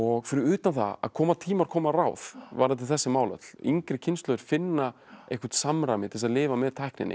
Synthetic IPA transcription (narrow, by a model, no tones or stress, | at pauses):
ɔɣfɪɾɪɾʏːt̪anθa̰a̰ðkʰɔːmat̪ʰiːmaɾkʰɔːmaraːwðvaɾðat̪ʰɪlθɛsːɪmaːwlœ̰t̪l̥iŋkɾɪcʰɪnst̪lœðɪɾ̥fɪnːaejhkʏ̥ɾ̥t̪samɾaːmɪt̪ʰɪ̥ɛs̬aðlɪːvamɛðt̪ʰajhknɪ̰nɪ̰